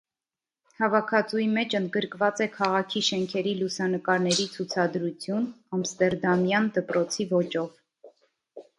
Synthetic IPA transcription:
hɑvɑkʰɑt͡sujimɛt͡ʃʰənd̪̚ɡəɾkvɑt͡sɛkʰɑʁɑkʰiʃɛŋkʰɛɾilusɑnəkɑɾnɛɾit͡sʰut͡sʰɑd̪ɾut͡sʰjunɑmst̪ɛɾd̪ɑmjɑnd̪əpɾɔt͡sʰivɔt͡ʃɔv

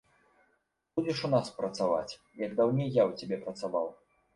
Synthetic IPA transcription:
bud͡zʲɛʂunaspɾɐt̪sava̰t͡sʲ | jɐɡd̪awnʲejjawt͡sʲabʲɛpɾɐt̪savaw

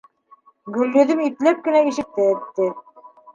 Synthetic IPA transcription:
ɡɵ̆lːɵ̆ðɘmit̪læp̚kɘ̆næiʃɘ̆k̚t̪æːt̪ːɘ

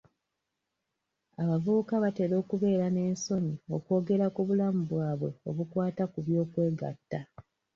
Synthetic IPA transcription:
aβavuukaβate̞ɾo̞ːkuβe̞ːɾane̞ːnso̞ɲio̞ko̞ːɡe̞ɾakuβulamuβwaːβwe̞o̞βukwaːtakuβjo̞ːkwe̞ːɡa̰tːa

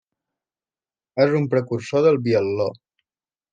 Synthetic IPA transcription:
ezumpɾəkuɾsoðəlˠβiəlːo

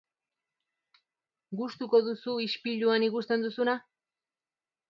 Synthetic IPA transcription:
ɢʊst̪ʊkod̪ʊsuɪʃpɪʎuanɪɡʊst̪and̪ʊsʊna

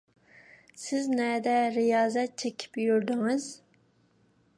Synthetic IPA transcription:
sɪznɛd̪ɛɾijɑːzɛt̪̚t͡ʃʰekʲʰi̥pjyɾd̪ɪŋɨz

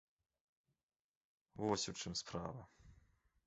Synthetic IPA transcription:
vɔsʲut͡ʂɨmspɾa̰vɐ

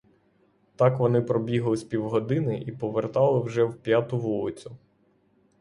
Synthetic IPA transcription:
t̪ɑkʋɔnɪpɾɔbʲiɦlˠɪsʲpʲiwɦɔd̪ɪnɪʔipɔʋert̪ɑlˠɪwʒɛwpʲjat̪ʊʋulˠɪt͡sʲʊ

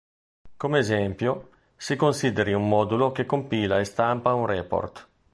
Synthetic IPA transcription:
komeːzɛmpjo | sikonsid̪eɾiumːɔːd̪ulokekːompiːlaest̪ampaunrɛpo̰rt̪

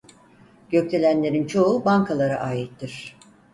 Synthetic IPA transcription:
ɟ̥ø̞ct̪ʰe̞lʲænlʲe̞ɾint͡ʃʰo̞ubaŋkʰalˠaɾaʔaːjit̪ʰːiɾ̥

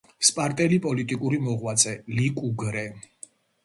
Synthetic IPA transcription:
spʼaɾt̪ʼɛlipʼɔlit̪ʼikʼuɾimɔʁwat̪sʼɛlikʼuɡɾɛ

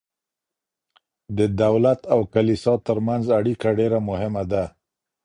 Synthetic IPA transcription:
d̪əd̪awlat̪awkalisɑt̪əɾmanzaɽikaɖeɾamʊhɪmad̪a

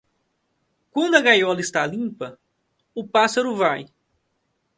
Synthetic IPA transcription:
kwɐ̃nd̪ʊɐɡajɔlɐɪst̪alĩpɐ | ʊpasɐɾʊvaj

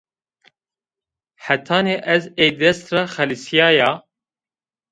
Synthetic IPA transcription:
ħæt̪ʰɑːneːʔɛzejd̪ɛst̪raxɛlisijɑːjɑː

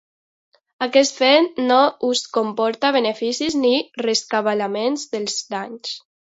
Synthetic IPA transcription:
akɛst̪fɛnnouskompɔɾt̪aβenefisiznireskaβalamenzðelˠzðaɲs

